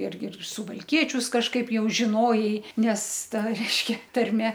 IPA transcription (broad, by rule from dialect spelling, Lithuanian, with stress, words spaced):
ˈɪrʲɡʲɪ ɪr sʊʋɐlʲˈkʲiɛt͡ʃʲʊs kɐʃˈkɐɪp jɛʊ ʒʲɪˈnoːjɛɪ nʲɛs ˈtɐ rʲɛɪʃʲˈkʲɛ tɐrʲˈmʲɛ